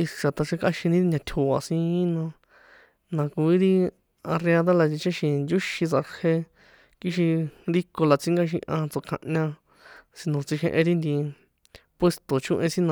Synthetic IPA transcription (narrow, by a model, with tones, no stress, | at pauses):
i˧ʂa˨t̪a˧ʂe˧ka˦ʃĩ˧nĩ˦nã˧t̪ʲʰo˨a̰˨sĩ˧˦nã˧ | nã˧ku˧i˦ɾi˦ | a˧re˧a˧ða˦la˧t͡ʃi˧t͡ʃẽ˦ʃĩ˧nd͡ʒu˦ʃĩ˧t͡sa˧ke˧ | ki˦ʃi˧ɾi˦ko˧la˨t͡si˦ŋɡa˦ʃ̬ĩ˧ʔã˧t͡so˧kʰã̰˧ʔɲã˧ | si˧nõ˨t͡si˧ʃḛ̃˧ʔẽ˧ɾi˦nd̪i˧ | pwe˧st̪o˨t͡ʃũ˦ʔẽ˧sĩ˦nã˧